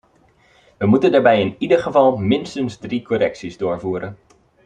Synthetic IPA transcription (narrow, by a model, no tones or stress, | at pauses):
ʋəmutəndaːɹbɛjɪnidərχəvɑlˠmɪnstənzdrikʰɔɾɛksizdʊːɹvuːɾən